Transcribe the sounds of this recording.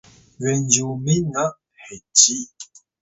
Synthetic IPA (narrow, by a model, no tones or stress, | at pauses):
wɛnd͡ʒuminaʔ | hɛtiʔ